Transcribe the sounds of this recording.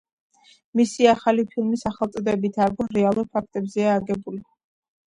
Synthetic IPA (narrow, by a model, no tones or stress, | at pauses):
misiaχalipʰilˠmisaχɛlˠt̪sʼɔd̪ɛbit̪ʰaɾɡuɾɛalˠuɾpʰak̚ʰt̪ʼɛbzɛaːɡɛbuli